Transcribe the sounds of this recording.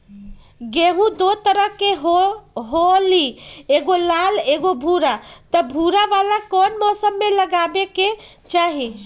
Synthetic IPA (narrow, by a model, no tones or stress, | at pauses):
ɡeɦũd̪ot̪əɾəɦkeɦɦolieɡolaleɡobʱuɾat̪əbʱuɾaʋalakonmɔsəmːeləɡabeke | t͡ʃaɦi